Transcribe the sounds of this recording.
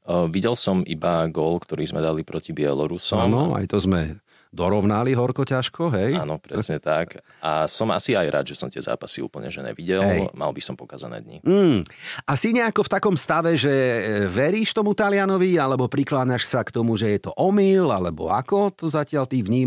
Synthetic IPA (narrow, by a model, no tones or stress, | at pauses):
ʋiɟɛlsɔmʔibaɡɔːlkt̪ɔɾiːzmɛd̪alipɾɔcibɪɛlɔɾusɔamnɔa̰jt̪ɔzmɛ | d̪ɔɾɔʊnaliɦɔɾkɔcaʃkɔɦɛjanɔpɾɛsɲɛt̪ak | asɔma̰siajɾʔa̰ːd̪ʒɛsɔmt̪ɪɛza̰ːpasiṵːpl̩ɲɛʒɛ̰ɲɛ̰ʋiɟɛɦlɛjma̰lbisɔmpɔkaːza̰nɛ̰ːd̪ɲḭm̩ːʔasiɲɛakɔft̪akɔmst̪aʋɛʒɛʋɛɾiːʃt̪ɔmut̪alɪanɔʋialɛbɔpɾiklaːɲaʃsakt̪ɔmuʒɛjɛt̪ɔʔɔmilalɛbɔ̰akɔt̪ɔzacɪalt̪iːʋɲiː